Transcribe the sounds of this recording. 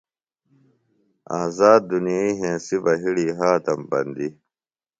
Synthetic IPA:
a̰ːzaːd̪̚ːunijaiːɦẽːsibɐɦiɽiːɦaːt̪ɐmpɐ̰nd̪i

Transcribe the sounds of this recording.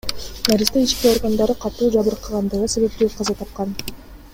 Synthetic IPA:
naɾʲist̪eit͡ʃkʲeo̞ɾɡand̪ɑɾɯqʰɑt̪uːd͡ʒɑβɯɾqʰːɯʁɑnd̪ɯʁɯse̞βe̞p̚t̪yqʰɑzɑt̪ʰɑp̚qɑn

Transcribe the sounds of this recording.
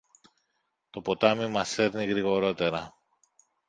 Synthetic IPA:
t̪o̞po̞t̪ɐmimɐse̞ɾniɣɾiɣo̞ɾo̞t̪e̞ɾɐ

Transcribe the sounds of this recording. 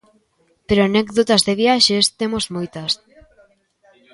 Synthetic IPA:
peɾoanɛkðot̪azðeβjaʃest̪emozmojt̪ɐs

